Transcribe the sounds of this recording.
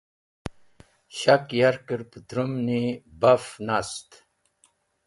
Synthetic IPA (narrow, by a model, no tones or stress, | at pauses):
ɕakjaɾkəɾpət̪ɾumnibafnast̪